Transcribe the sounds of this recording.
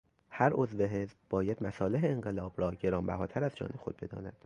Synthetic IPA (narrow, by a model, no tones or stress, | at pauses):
hæɾʔo̞zve̞ɦe̞zbbɒːjæd̪̥mæsɒːleɦeːŋɢe̞lɒːbɾɒːɟe̞ɾɒːmbæ̰hɒːt̪ʰæɾæzd͡ʒɒ̰ːne̞xo̞̰d̪̚be̞d̪ɒ̰ːnæd̪̥